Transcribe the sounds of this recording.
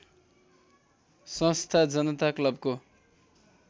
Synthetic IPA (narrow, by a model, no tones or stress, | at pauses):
sʌ̃st̪ʰad͡zʌnʌt̪aklʌbko